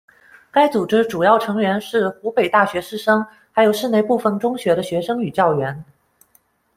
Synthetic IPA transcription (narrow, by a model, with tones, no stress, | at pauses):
ka˥ɪt͡su˨˩ʈ͡ʂɻ̩˥ʈ͡ʂu˨˩jɑ˥˩ʊʈ͡ʂʰɤ˧˥ŋɥɛ˧˥nʂɻ̩˥˩xu˧˥pe˨˩ɪt̪a˥˩ɕɥɛ˧˥ʂɻ̩˥˩ʂɤ˥ŋ | xa˧˥ɪjo˨˩ʊʂɻ̩˥˧ne˥˧ɪpu˥˩fə˧˩nʈ͡ʂʊ˥ŋɕɥɛ˧˥ɾə˧ɕɥɛ˧˥ʂɤ˥ŋy˨˩t͡ɕjɑ˥˩ʊɥɛ˧˥n